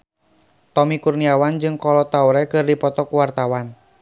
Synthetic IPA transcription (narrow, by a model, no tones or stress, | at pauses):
t̪ɔmikurniawand͡ʒɨŋkɔlɔt̪auɾɛkɨrdipɔt̪ɔkuwart̪awan